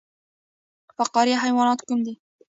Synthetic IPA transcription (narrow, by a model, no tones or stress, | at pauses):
fɑqɑːɾiːħajwɑːnɑːt̪kʊnd̪i